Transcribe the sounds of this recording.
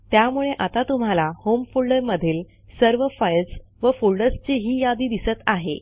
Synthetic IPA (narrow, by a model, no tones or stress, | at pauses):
t̪jamuɭeʔat̪at̪um̤alahomfulɖəɾməd̪ʱiːl | səɾʋəfajls | ʋəfuɭɖəst͡ɕeɦiːjad̪iːd̪isət̪aɦḛ